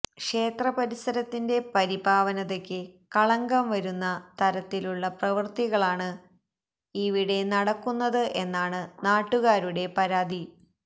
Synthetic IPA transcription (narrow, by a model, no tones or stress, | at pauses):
kʂe̞ːt̪rɐpɐɾisɐɾɐt̪ːinde̞pɐɾibʱaːʋɐnɐðekʲːɨkɐɭɐŋɡɐmʋɐɾunːɐt̪ɐɾɐt̪ːiluɭːɐprɐʋɐrt̪iɣɐɭaːɳɨ | iʋiɽe̞nɐɽɐkːunːɐðɨʔe̞nːaːɳɨnaːʈːuɣaːɾuɽe̞pɐɾaːd̪ʱi